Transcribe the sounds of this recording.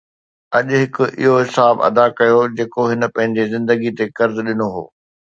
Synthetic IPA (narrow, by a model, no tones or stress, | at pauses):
ɐʄʊɦɪkʊ̆ʔɪ̰ɦoɦɪsaːbɐ̰d̪akɐjod͡ʑeːkoɦɪnə̆pɐ̃ɦɪ̃ɲd͡ʑezɪ̃nd̪əɡit̪ekɐɾzɗɪnoɦo̰ː